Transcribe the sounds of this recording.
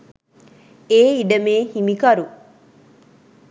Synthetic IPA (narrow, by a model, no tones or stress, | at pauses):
eːiɖɐmeːhimikɐɾu